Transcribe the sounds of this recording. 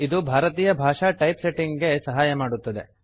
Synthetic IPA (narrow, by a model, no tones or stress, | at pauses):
id̪ubʱaːɾɐt̪iːjɐbʱaːʂaːʈɐjpse̞ʈiŋɡɡe̞sɐɦaːjɐmaːɽut̪ːɐd̪e̞̰